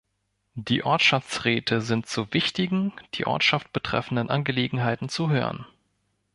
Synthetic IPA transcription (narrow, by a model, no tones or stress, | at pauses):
d̥iːʔɔɐtʃaft͡sʁɛːtʰəzɪntt͡suvɪçtɪɡŋ̩d̥ḭːʔɔ̰ɐtʃaft̚b̥ətʁ̥ɛ̰fn̩dənʔanɡəleːɡŋ̩ɦaɪtn̩t͡suɦø̰ːʁə̰n